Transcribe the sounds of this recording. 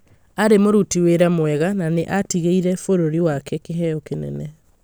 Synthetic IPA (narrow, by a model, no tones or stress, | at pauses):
aɾemoɾutiweɾamwɛɣananeʔatiɣeiɾɛfoɾoɾiwakɛkeɦɛɔkenɛ̰nɛ